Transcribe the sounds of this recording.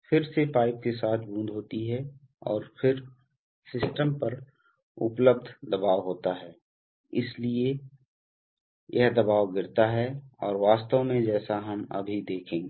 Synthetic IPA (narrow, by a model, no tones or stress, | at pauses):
fʰɪɾsepaːɪp̚kesaːt̪ʰbũːnd̪ʱɦoːt̪iɦɛ | ɔːɾfʰɪɾ | sɪsʈəmpɐɾ | ʊpləb̚d̪ʱd̪ɐbaːʋɦoːt̪aɦɛː | ɪslie | jʔɛɦd̪ɐbaːʋɡɪɾt̪aɦɛɔːɾʋaːst̪əʋmẽd͡ʒɛːsaɦɐmɐ̰bʱid̪eːkʰẽː